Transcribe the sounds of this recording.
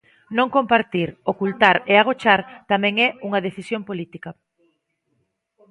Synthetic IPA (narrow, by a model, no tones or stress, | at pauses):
nõŋkompaɾt̪iɾokult̪aɾeaɣ̞ot͡ʃaɾt̪amɛ̃ŋɛuŋɐðeθisjompolit̪ikɐ